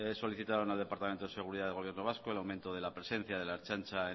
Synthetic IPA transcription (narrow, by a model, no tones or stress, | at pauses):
so̞liθit̪aɾonald̪e̞paɾt̪ament̪oðe̞se̞ɣ̞uɾiðaðeɣo̞βjeno̞β̞askoelawment̪oðe̞lapɾe̞se̞n̟θjaðe̞laeɾt͡ʃant͡ʃae